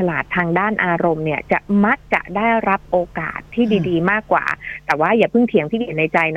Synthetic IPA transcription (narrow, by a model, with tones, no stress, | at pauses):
a˧laː˨˩t̪ʰːaː˧ŋdaː˥˩nʔaː˧ɾo˧mni˥˩ɐt͡ɕa˨˩ʔma˦˥k̚t͡ɕa̰˨˩daː˥˩jɾa˦˥p̚ʔoː˧ka̰ː˨˩t̪ʰːiː˥˩diː˧diː˧maː˥˩kːwa̰ː˨˩t̪ɛː˨˩waː˥˩jaː˨˩pʰɯ˥˩ŋt̪ʰi˩˦ŋt̪ʰiː˥˩kiː˨˩˦na˧jt͡ɕa˧jn